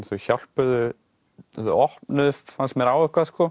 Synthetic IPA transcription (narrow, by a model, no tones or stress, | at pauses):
nθɔçal̥pʏðʏ | ʏɔhpnʏfansɛmɛɾaːwɛhkvaskɔ